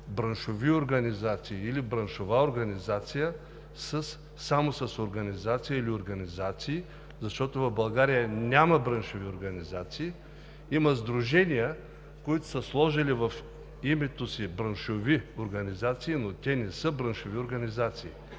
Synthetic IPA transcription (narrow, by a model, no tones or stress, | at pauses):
bɾɐnʃovioɾɡɐnʲizat̪siːlibɾɐnʃovaoɾɡɐnizat̪sijə | səsː | amosɐsoɾɡɐnʲizat̪sijəilioɾɡɐnizat̪siː | zɐʃt̪ɔt̪ovɐvbɐlˠɡaɾijənʲamɐbɾənʃovioɾɡɐnizat̪siː | imɐzd̪ɾuʒɛnijə | koit̪ʊ̥sɐslˠɔʒilivɐf | imɛt̪osibɾɐnʃovioɾɡɐnʲizat̪siːnot̪ʲɛnɛsəbɾɐnʃovioɾɡɐnizat̪siː